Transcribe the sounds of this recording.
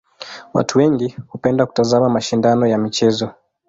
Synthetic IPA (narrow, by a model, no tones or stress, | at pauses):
wa̰tʰuwɛŋɡihupɛndaku̥tazamamaʃindanɔjamit͡ʃɛzɔ